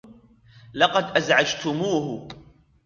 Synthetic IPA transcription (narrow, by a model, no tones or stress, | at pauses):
lɑqɑd̪ʔazʕad͡ʒt̪ʊmuːhʊ